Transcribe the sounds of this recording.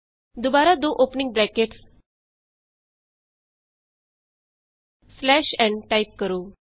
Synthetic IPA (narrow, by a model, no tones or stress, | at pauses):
d̪ubaɾad̪oʔopniŋɡ̚bɾɛkeʈs | slɛɕɛ̃ɳʈaip̚kəɾuː